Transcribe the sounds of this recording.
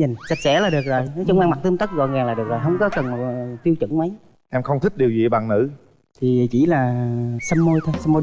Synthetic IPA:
ɲi˨˩ŋsə˨˩k̚sɛ̰˧˥laː˨˩ɗɨ˨˩ək̚zo˨˩jnɔ˨˦t͡ɕʊ˧˩wŋ͡mʔa˧ŋma˨˩t̪ɨ˧əmt̪ə˦˥k̚ɣɔ̰˧˨nzaː˨˩ŋlaː˨˩ɗɨ˨˩ək̚zo˨˩jɦə˧wŋ͡mkɔ˨˦kə˨˩n̚˨˩t̪i˧əwt͡ɕɨ̰˧˥ŋmə˨˦j | ʔɛ˧mxə˧wŋ͡mt̪ʰi˦˥k̚ɗi˨˩əwzḭ˧˨ɓa̰ː˧˨˩ŋnɨ̰˧˥ | t̪ʰi˨˩˨t͡ɕḭ˧˩laː˨˩sə˧mːo˧jt̪ʰsə˧mːo˧

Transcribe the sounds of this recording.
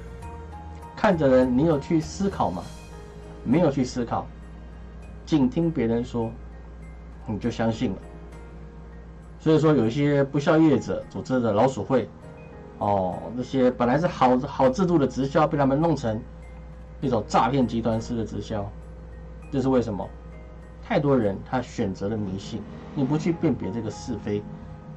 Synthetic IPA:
kʰa˥˩ndə˨˩ɻə˧˦nni˧˥jo˨˩ʊt͡ɕʰy˥˩sɹ̩˥kʰɑ˨˩ʊma̰˨˦ | me˧˥ɪjo˨˩ʊt͡ɕʰy˥˧sɹ̩˥kʰɑ˨˩˦ʊ | t͡ɕi˥˩nt̪ʰi˥ŋpjɛ˧˥ɻə˧˦nʂwɔ˥ | ni˨˩t͡ɕjo˥˩ʊɕjɑ˥ŋɕi˥˩nlə̰˨˩ | swɔ˧˥i˨˩ʂ̬wɔ˥jo˨˩ʊi˥˩ɕjɛ˥pu˧˥ɕ̬jɑ˥˧ʊjɛ˥˩ʈ͡ʂə˨˩t͡su˨˩t͡sɻ̩˥d̪ə˨lɑ˧˥ʊʂu˨˩xwe˥˩ɪ | ɔ˥˨˩nɤ˥˩ɕjɛ˥pə˨˩nla˧˥ɪʂ̬ɻ̩˥˩xɑ˨˩ʊxɑ˨˩ʊʈ͡ʂɻ̩˥˧t̪u˥˩d̪ə˩ʈ͡ʂɻ̩˧˥ɕjɑ˥ʊpe˥˧t̪ʰa˥mə˨nlʊ˥˩ŋt͡sʰɤ˧˥ŋ | pi˥˩t͡ɕjɑ˥˩ʊʈ͡ʂa̰˥˧pʰjɛ˥˧nt͡ɕi˧˥t̪wa˥nʂɻ̩˥˧d̪ə˩ʈ͡ʂɻ̩˧˥ɕjɑ˥ʊ | ʈ͡ʂɤ˥˧ʂɻ̩˥˧we˥˩ɪʂə˧˥nmə̰˧ | t̪ʰa˥˩ɪt̪wɔ˥ɻə˧˥nt̪ʰa˥ɕɥɛ˨˩nt͡sɤ˧˥də˨mi˧˥nɕi˥˩ŋ | ni˨˩pu˧˥t͡ɕʰy˥˧pjɛ˥˩npjɛ˧˥ʈ͡ʂɤ˥˩ɡə˩ʂɹ̩˥˩fe˥ɪ

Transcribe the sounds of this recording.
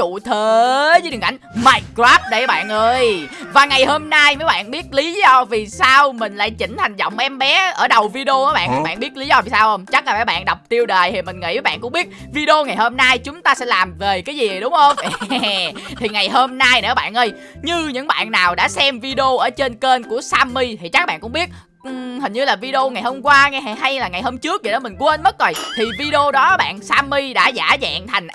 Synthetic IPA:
t͡ɕṵ˧˨t̪ʰə˨˦zə˨˦ɗɨ˨˩ŋkʔa˧˩ŋmaː˧j̚kɾaː˦˥p̚ɗə˨˧˦jɓa̰ː˧˨nʔəː˧jvaː˨˩ŋa˨˩jhoː˧mna˧jməː˨˦jɓa̰ː˧˨nɓi˦˥ət̚li˨˦zɔ˧vi˨˩saː˧wmï˨˩ŋ̟la̰ː˧˨jt͡ɕï˧˩ŋ̟ha˨˩jŋ̟zɔ̰˧˨wŋ͡mʔɛ˧mɓɛ˨˦ʔəː˧˩ɗə˨˩wvi˧ɗo˧ʔːɓa̰ː˧˨nə˨˦ɓa̰ː˧˨nɓi˦˥ət̚li˨˦zɔ˧vi˨˩saː˧who˧wŋ͡mt͡ɕa˦˥k̚laː˨˩məː˨˦jɓa̰ː˧˨nɗa˨˩wk͡p̚t̪i˧əwɗəː˨˩jt̪ʰi˨˩mï̟˨˩ŋḭ˧˥vaː˨˦ɓa̰ː˧˨nkʊ˧˥ŋ͡mɓi˦˥ət̚vi˧ɗi˧o˧ŋa˨˩jho˧mna˧jt͡ɕʊ˨˦ŋ͡mt̪aː˧sɛ̰˧˥laː˨˩mve˨˩kaː˨˦jzi˨˩˨jɗʊ˨˦ŋ͡mho˧wŋ͡m | t̪ʰi˨˩ŋa˨˩jho˧mna˧jne˧˩ɓa̰ː˧˨nʔə˧j | ɲɨ˧ɲɨ̰˧˥ŋɓa̰ː˧˨nːaː˨˩wɗa̰ː˧˥sɛ˧mvi˧ɗə˧o˧ʔəː˧˩t͡ɕe˧nke˧nku˧˩əsaː˧mːi˧t̪ʰi˨˩t͡ɕa˦˥k̚ːɓa̰ː˧˨nkʊ̰˧˥ŋ͡mɓi˦˥ət̚ | hi˨˩ŋ̟ɲɨ˧laː˨˩vi˧ɗə˧o˧ŋa˨˩jho˧mkwaː˧ŋɛ˧˩ha˧jlaː˨˩ŋa˨˩jho˧mt͡ɕɨ˦˥ək̚ːi˨˩ɗɔ˨˦mï˨˩ŋ̟ku˧˦ʔə˧nmə˦˥t̚zo˨˩jt̪ʰi˨˩vi˧ɗə˧o˧ɗɔ˨˦ɓa̰ː˧˨nsaː˧mːi˧ɗa̰ː˧˥zaː˧˩za̰ː˧˨ŋt̪ʰa˨˩jŋ̟

